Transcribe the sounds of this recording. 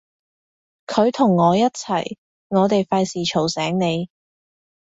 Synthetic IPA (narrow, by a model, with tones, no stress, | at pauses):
kʰɵ˨˧ɥt̪ʰʊ˨˩ŋːɔː˨˧jɐ˥t̚t͡sʰɐ̰˨˩j | ŋɔː˨˧t̪e˨jfaː˧jsiː˨˩t͡ʃʰo˨˩wsɛː˨˥ŋne˨˧j